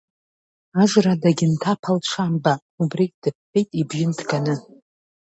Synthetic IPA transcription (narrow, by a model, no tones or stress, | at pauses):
aʒʷradaɡʲɪntʰapʰalt͡ʃʷʰaːmba | ubrikʼd̥ɨp̚ʰːejtʼibɥɪndɡanɨ